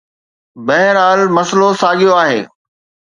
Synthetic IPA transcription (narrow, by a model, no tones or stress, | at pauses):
bɐɦɪɾaːlmɐslosaːɠijoaːɦḛː